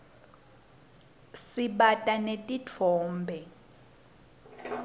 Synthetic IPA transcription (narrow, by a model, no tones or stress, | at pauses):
siɓatʼanetʼit͡fʰɔːmbʱɛ